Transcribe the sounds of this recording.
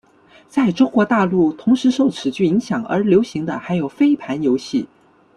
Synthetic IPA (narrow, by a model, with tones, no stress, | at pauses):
t͡sa˥˩ɪʈ͡ʂʊ˥ŋkwɔ˧˥t̪a˥˧lu˥˩t̪ʰʊ˧˥ŋʂɻ̩˧˥ʂo˥˩ʊʈ͡ʂʰɻ̩˨˩t͡ɕy˥˩i˧˥ŋɕjɑ˨˩˦ŋə̰˞˧˥ljo˧˥ʊɕi˧˥ŋd̪ə̰˧xa˧˥ɪjo˨˩ʊfe˥ɪpʰa˧˥njo˧˥ʊɕi˥˩